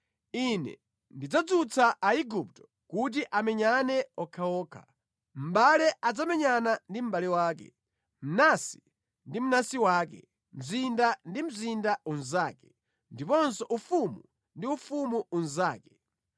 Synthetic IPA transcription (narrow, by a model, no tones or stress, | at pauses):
inɛ̰ | ndid͡zad͡zut͡sʰaʔaiɡup̚tɔ̥ | kut̬iʔamɛɲanɛɔkʰaɔːkʰa̰ | m̩ɓalɛʔad͡zamɛɲanandim̩ɓalɛwaːkɛ̰ | m̩nasi̥ | ndim̩nasiwaːkɛ̰ | m̩zindandim̩zindaunzaːkɛ | ndipɔnsɔʔufumu | ndiufumuunzaːkɛ̥